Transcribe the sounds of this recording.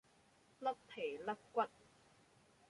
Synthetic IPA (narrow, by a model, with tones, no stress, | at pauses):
lɐ˥p̚t̪ʰeː˨˩lɐ˥p̚kʷwɐ˦˥t̚